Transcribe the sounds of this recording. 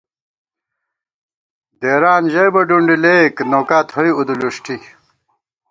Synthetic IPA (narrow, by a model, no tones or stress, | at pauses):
d̪eːɾaːnʑɐjbɐɖuɳɖileːknoːkaːt̪hoiud̪uluʂʈi